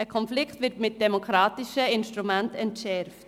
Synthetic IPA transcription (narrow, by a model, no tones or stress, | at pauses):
əkʰɔnflɪkχtvɪtmɪt̚d̥ɛmokʰɾɑːtɪʃəɪnʃtɾumɛntɛntʃɛɾft